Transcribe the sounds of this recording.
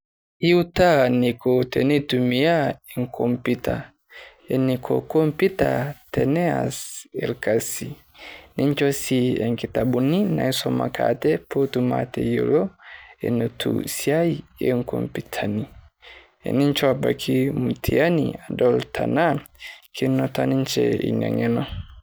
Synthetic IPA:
i˦uta˦ni˨kɔ˨tɛ˨ni˦tumi˨a˦e˨ŋ̩kʰɔmpita˨ | ɛ˨nikʰɔ˨kɔ˦mpi˦ta̰˨tɛnɛ˦a̰sɛ˨lka˨si˨ | nʔi˦ɲt͡ʃɔ˦si˦ɛ˨ŋki˨ta˨ɓu˨ni˦na̰˨i˦sɔma̰˨kʰa̰tɛ˦pʰo˦tuma̰tɛ˨jo˨lɔ˦ɛ̰˨nɛ˨tʰṵsia˦i˨eŋkɔ˨mpitʰani˨ | ɛ̰˨ni˦nt͡ʃɔ˦aba˨kʰi˦mu˨tʰi˨a˦nia˨dɔltʰa˨na˦kʰi˦nɔ˨ta˦ni˦ɲt͡ʃɛḭ˨ɲa̰˨ŋɛ˦nɔ˦

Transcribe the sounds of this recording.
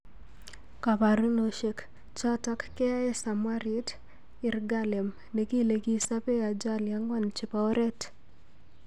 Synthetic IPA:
ka˨pa˨ɾu˦no˨ʃe˨k | t͡ʃa˦takːɛ˦ɛ˦sa˨mwaɾi˦t | ɪ˨rɡalɛ˨m | ne˨ki˦le˨ki˦sa˦pe˦a˨d͡ʒaljaŋɡwa˦nt͡ʃi˨pa˨ɔ˦ɾʔɛ˦t

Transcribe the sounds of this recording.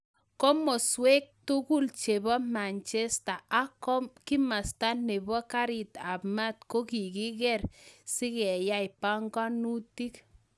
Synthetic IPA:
kɔ˦mɔ˨swe˦k̚tu˦ku˦lt͡ʃe˨bɔ˦ma˨nt͡ʃɛ˦st̪a˨a˦kɔ˦mki˦ma˨st̪a˦nːe˨bɔ˦ka˦ɾi˨t̪a˨pma˦t̪̚ko˦ki˨ki˦kɛ˦rsi˦kɛ˨ja˦jpa˦ŋɡa˦nu˦ti˦k

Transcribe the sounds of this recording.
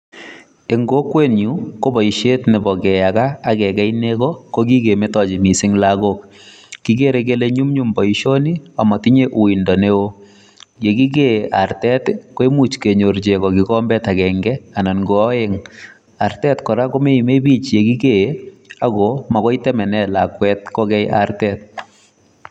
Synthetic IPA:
e˨ŋɡo˦kːwe˦nju˨ko˦bɔ˨i˨ʃe˦tne˨bɔ˨kɛ˨ja˨kaː˦˨kɛ˨kɛ˦jnekɔko˦k̬i˦ke˨me˦tɔ˨t͡ʃi˨mi˨sɪ˦ŋlaɡo˦k | kːi˨ke˦ɾek̬e˦le˦ɲu˦mɲu˦mbɔ˨iʃo˦ni˦a˨mɔ˨ti˦ɲe˦ʔu˨i˨ndɔ˨ne˦wo˦ | je˨ki˦k̬ea˨rtɛ˦tko˦e˦mu˦t͡ʃke˨ɲo˨rt͡ʃe˨kɔ˨ki˦kɔmbɛ˦ta˨kɛŋɡɛa˨na˨nɡo˨ɔ˦je˦ŋ | a˨rtɛ˦tkɔ˨ɾa˦ko˦me˦i˨me˦bi˦t͡ʃje˨ki˦keakɔma˨kɔ˦i˦tɛ˦mɛ˨nɛ˦lakwɛt̚kɔ˦kɛ˦ja̰rtɛt̚

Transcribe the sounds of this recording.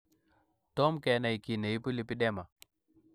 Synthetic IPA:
tɔ˦mkɛ˨˦na˨i˨ki˨ne˨i˦pu˦li˦pi˦ɗɛ˦ma˨

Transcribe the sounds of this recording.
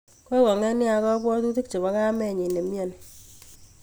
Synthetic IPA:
kɔ˦kɔ˨ŋɛ˦nja˨kɔ˦kwɔ˦tu˦ti˦k̚t͡ʃe˨ba˨˦ka˦mɛ˦˨ɲi˨ne˨mjɔ˨n

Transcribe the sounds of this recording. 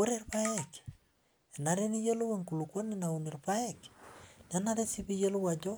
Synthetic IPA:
wo˦ɾe˦rpa˦ek | e˨na˨ɾe˦ni˦je˦lʊ˦we˦ŋku˨lu˨kwo˦nɪna˨u˨ni˨rpa˦e˦kne˨na˦ɾe˦si˦pi˦je˦lʊ˦wa˨d͡ʒo˦

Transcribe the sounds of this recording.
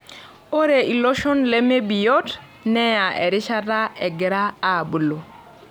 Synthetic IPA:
o˦ɾe˨i˨lo˦ʃo˦nle˦me˦bi˨jo˦t | nɛ˦ja˨ʔḛ˨ɾi˦ʃa˦da˦e˨ɡɛ˨ɾa˦a˨bu˨lo˨

